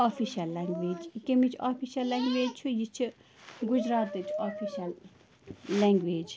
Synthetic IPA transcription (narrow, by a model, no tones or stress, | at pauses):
aːfʰiʃɐlːɐŋɡʋeːd͡ʒikemit͡ʃʰaːpʰiːʃɐlːɐŋɡʋeːd͡ʒt͡ʃʰujit͡ʃʰi | ɡud͡ʒɾaːt̪d̪ɨt͡ʃʰaːpʰiːʃɐlː | ɛŋɡʋeːd͡ʒ